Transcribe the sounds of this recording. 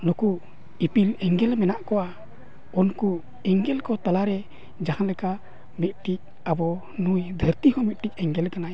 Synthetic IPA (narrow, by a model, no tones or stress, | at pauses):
nuku | ipilɛŋɡɛlmɛnaʔkɔa | ɔnku | ɛŋɡɛlkɔt̪alaɾɛ | d͡ʒahanlɛka | mɛt̪̚ʈik̚ | abɔ | nujd̪ʱəɾt̪ikɔmɛt̪̚ˀʈikɛŋɡɛlkana